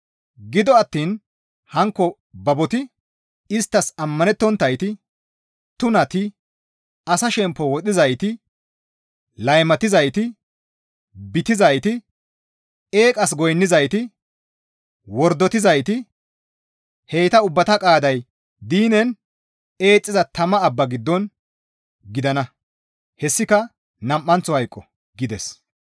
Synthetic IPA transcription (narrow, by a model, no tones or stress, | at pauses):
ɡɪd̪ɔɐt̪ːiːn | hɐŋkːɔ | bɐbɔt̪ɪ | ɪst̪ːɐsɐmːɐnɛt̪ːɔnt̪ːɐjt̪ɪ | t̪ʊnɐt̪ɪ | ɐsɐʃɛmpːɔwɔt̪ɪzɐjt̪ɪ | lɐjmɐt̪ɪzɐjt̪ɪ | bɪt̪ɪzɐjt̪ɪ | e̞ːkʼɐs̬ɡɔjnːɪzɐjt̪ɪ | wɔɾd̪ːɔt̪ɪzɐjt̪ɪ | hejt̪ɐʊbːɐt̪ɐkʼaːd̪ɐj | d̪iːnɛn | e̞ːt͡sʼːɪzɐt̪ɐmɐːbːɐɡɪd̪ːɔn | ɡɪd̪ɐnɐ | hɛsːɪkɐ | nɐmʔːɐnt͡sːɔhɐjkʼːɔ | ɡɪd̪ɛs